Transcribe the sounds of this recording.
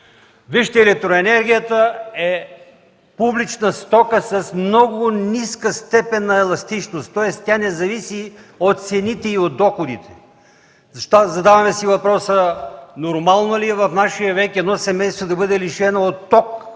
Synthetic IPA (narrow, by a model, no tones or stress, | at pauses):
viʃt̪ɛɛlɛk̚t̪ɾoɛnɛɾɡʲijət̪əɛ | publit͡ʃnəst̪ɔkəsɐsmnɔɡʊniskəst̪ɛpɛnːɐɛlˠɐst̪it͡ʃnost̪ːɔɛst̪ʲanɛzɐvisiot̪t̪sɛnit̪ɛiot̪̚d̪ːɔxod̪it̪ɛ̥ | zɐʃt̪ozɐd̪avɐmɛsivɐpɾɔsənoɾmalˠnoliɛvɐfnaʃijəvɛkɛd̪nɔsɛmɛjst̪vod̪ɐbɤd̪ɛliʃɛnoot̪ːɔk